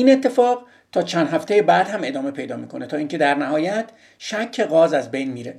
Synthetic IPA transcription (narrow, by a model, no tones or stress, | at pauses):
iːnet̪ʰːe̞fɒːʁ | t̪ʰɒːt͡ʃʰænd̪ɦæft̪ʰejebæːd̪hæme̞d̪ɒːme̞pʰe̞jd̪ɒːmiːkʰo̞net̪ʰɒːiːŋkcʰe̞d̪æɾnæhɒːjæt̪ʰ | ʃækʰːe̞ɣɒːzæzbe̞jnmiːɾe